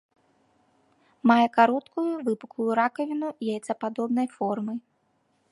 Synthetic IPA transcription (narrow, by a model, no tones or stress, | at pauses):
majɛkaɾɔt̪kujuvɨpu̥kujuɾakɐvʲinujajɛt̪sɐpad̪ɔbnɐjfɔrmɨj